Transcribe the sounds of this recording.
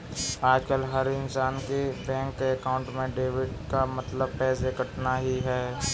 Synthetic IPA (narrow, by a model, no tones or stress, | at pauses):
aːd͡ʒkəlɦɐɾɪnsaːnkebɛ̃ːŋkːeɐkaːʊ̃ɳʈmẽɖeːʋɪɖkamɐt̪ləb̚pɛːsekɐʈnaɦiɦɛː